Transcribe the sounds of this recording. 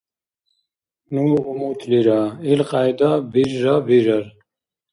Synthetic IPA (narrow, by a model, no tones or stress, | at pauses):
nuumut̪ʰliɾailqajd̪abiɾːabiɾɐɾ